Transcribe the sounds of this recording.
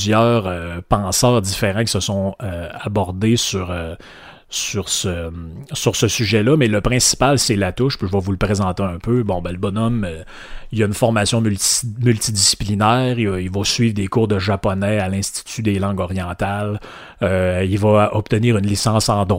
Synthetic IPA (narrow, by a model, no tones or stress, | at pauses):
zjœːʁøpɑ̃ːsœːʁd̪ifeʁɑ̃kʲi̥səsɔ̃øabɔʁd̪esyʁø | syʁsəsyʁsəsyʒɛlʌmɛləpχɛ̃si̥palsɛlat̪ʊʃpiʒəvɑvulpʁezɑ̃t̪eœ̃pʰøbɔ̃bɛləbɔnɔm | iljaynfɔʁmasjɔ̃mmylt̪id̪isi̥plinɛːʁiilvɔsɥiːvd̪ekuːʁd̪əʒapɔnɛalɛ̃st̪i̥t̪yd̪elɑ̃ɡɔʁjɑ̃ːt̪al | øilvʌɔp̚t̪əniːʁynlisɑ̃sɑ̃d̪